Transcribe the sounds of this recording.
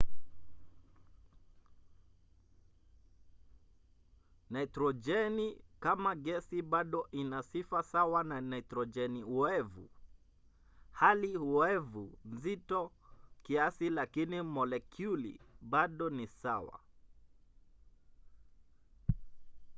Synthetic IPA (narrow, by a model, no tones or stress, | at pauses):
naitɾɔd͡ʒɛnikamaɡɛsiɓaɗɔʔinasifasawananaitɾɔd͡ʒɛniuɛvṵ | halihuɛvunzitɔkiasilakinimɔlɛkʰjulḭɓaɗɔnisawa̰